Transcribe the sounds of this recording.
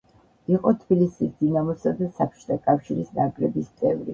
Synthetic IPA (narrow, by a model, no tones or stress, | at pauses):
iqʼɔt̪ʰb̥ilisisd̪̥inamɔsad̪asapʰt͡ʃʰʼt̪ʰakʼafʃiɾisnakʼlɛbist̪sʼɛvɾḭ